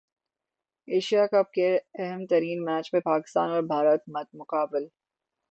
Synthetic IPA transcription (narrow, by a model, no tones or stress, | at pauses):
eːʃijakɐb̚keɛɦɛmt̪ɐɾiːnmɛːt͡ʃmẽpaːkɪ̥st̪aːnɔːɾbʱaːɾət̪mɐt̪̚mʊqaːbɪl